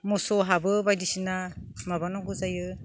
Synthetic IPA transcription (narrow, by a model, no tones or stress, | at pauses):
mɔsɔɦabɯbajdisinamabanɔɡuzajɯ